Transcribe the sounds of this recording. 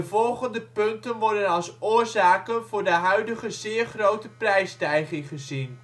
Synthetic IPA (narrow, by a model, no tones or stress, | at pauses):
əvɔlˠχəndəpɵntənʋɔɹdənɑlˠsʊːrzaːkənvʊːɹdəɦœɥdəχəzɪːrχrowtəprɛjstɛjχɪŋχəzin